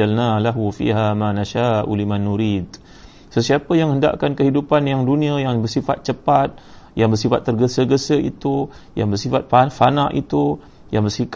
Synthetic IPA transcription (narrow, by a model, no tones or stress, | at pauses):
alnalaɦufḭːɦamanaʃaːʔṵlimanːuɾiːd̪̚ | səsiapəjaŋhənda̰ʔkankəɦidupanjaŋdunĩajaŋbərsifat̪̚t͡ʃəpat̪̚jaŋbərsifat̪ːərɡəsəɡəsəḭt̪u | jaŋbərsifat̪̚fafanaʔḭt̪u | jaŋbərsik